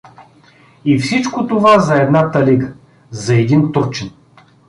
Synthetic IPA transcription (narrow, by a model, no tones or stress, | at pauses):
ifsit͡ʃkot̪ovazɐɛd̪nat̪ɐliɡə | zɐɛd̪int̪uɾt͡ʃɛn